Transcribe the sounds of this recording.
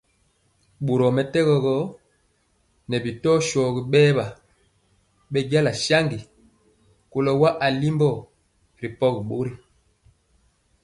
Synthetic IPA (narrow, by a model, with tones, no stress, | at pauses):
ɓu˨ɾɔ˨mɛ˨tɛ˦ɣɔ˨ɣɔ˦ | nɛ˨bi˨tɔ˦ʃɔ˨ɡi˨ɓɛː˦ba˨ | ɓɛ˦ɟa˦la˨ʃa˦ŋɡi˨ | ko˨lɔ˨wa˦ʔa˨li˦mbɔ˦˨ | ɾi˨pɔ˦kɓo˦ɾi˦